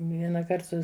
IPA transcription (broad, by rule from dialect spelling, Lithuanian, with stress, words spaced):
ʋʲiɛnɐˈkɐrt sʊ